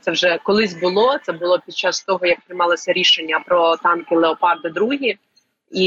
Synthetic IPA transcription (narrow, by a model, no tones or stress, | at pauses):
t̪sɛwʒɛkɔlˠɪsʲbʊlˠɔt̪sɛbʊlˠɔpʲid̪̚t͡ʃɑst̪ɔɦɔjɐk̚pɾɪjmɑlˠɔsʲɐɾʲiʃenʲːɐpɾɔt̪ɑnkɪlˠeɔpɑrd̪ɪd̪ɾuɦʲi | i